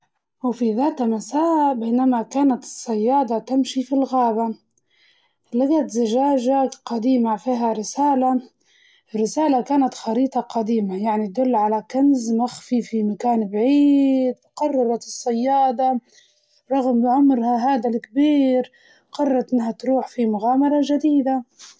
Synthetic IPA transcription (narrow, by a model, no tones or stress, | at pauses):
wfiðaːt̪masaːʔbeːnamakaːnat̪ɨ̥sˤːɑjːɑːd̪ˤɑt̪amʃifilɣaːba | laɡat̪zaʒaːʒaqɑd̪iːmafiːɦaɾɪsaːla | rːɪsaːlakaːnat̪xɑɾiːt̪ˤɑqɑd̪iːmajaʕnit̪ad̪ʊlːʕalakanzmaxfifimakaːnbʕiːd̪qɑrˤːɑɾˤɑt̪ɨsˤːɑjːɑːd̪ˤɑ | ɾˤɑɣmbɪʕʊmɾhaɦaːd̪alkbiːɾ | qɑrˤːɑɾˤt̪ʔɪnːɦat̪ɾuːħfimʊɣaːmɑɾˤɑʒad̪iːd̪a